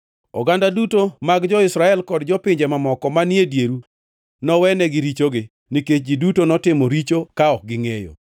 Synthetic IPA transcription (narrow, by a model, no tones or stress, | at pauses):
ɔ̰ɡandadutomaɡd͡ʒɔɪsɾaɛlkɔdd͡ʒɔpɪɲd͡ʒɛmamɔkɔmanjedjeɾu | nɔwɛnɛɡɪɾit͡ʃoɡɪ | niket͡ʃ̚d͡ʒidutonɔtɪmɔɾit͡ʃokaɔk̚ɡɪŋejo̰